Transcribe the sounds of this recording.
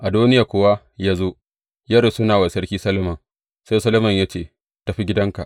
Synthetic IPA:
ʔa˨duː˦nɪ˦ja˨kʷoː˦wa˦ | jaː˦zoː˦ | jɐ˦ɽo˨sʊ˦naː˨wa˨sɐ˦ɽkʲiː˦sɐ˦lo˦mɐ˨ŋ | se˦sɐ˦lo˦mɐ˨ɲja˦t͡ʃeː˦˨ | ta˨ɸi˦ɡʲɪ˦dɐ˦ŋka˨ʔ

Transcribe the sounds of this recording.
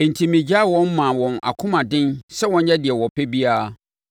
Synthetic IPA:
n̩˨tʰĩ˨mĩ˨d͡ʑa˦˨wɔ̃˦nmã˨wɔ̃˨na̰˨kʰʊ̃˦mã˨dɪ̃˦nsɛ˦wɔ̃˦n˦ɛ˦dɪ˨ɛ˨wɔ˨pʰɛ˦bi˦a˦a˦

